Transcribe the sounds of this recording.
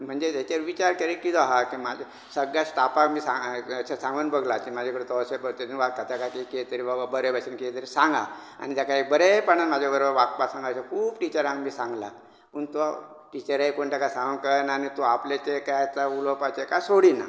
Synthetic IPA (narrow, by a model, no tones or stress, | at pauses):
m̤əɳd͡zet̪et͡ɕeɾʋit͡ɕaɾkəɾikid͡z̪ɔɦakimad͡ʑ | səɡjasʈapakmiːsaət͡ɕʰasãŋɡuːnbəɡlak̪imad͡ʑʱakəɾet̪ɔsebəɾt̪eiʋak̚t̪at̪jakakaket̪əɾibababəɾebasinket̪əɾisãŋɡa̰ | a̰ñit̪jakaek̚bəɾepaɳ̃anmad͡ʑʱabəɾobəɾʋak̚pasãŋɡasakʰuːbʈit͡ɕəɾãŋkmiːsãŋɡla̰ | pəɳt̪o | ʈit͡ɕəɾajkoɳʈakasãŋɡunkənanit̪oaplet͡ɕekajt͡s̪aulopat͡ɕekasoɽina̰